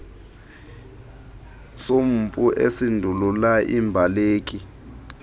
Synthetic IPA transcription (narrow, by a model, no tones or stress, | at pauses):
som̩pʼuʔesindʱululaʔḭmbʱaleːk̬ʼi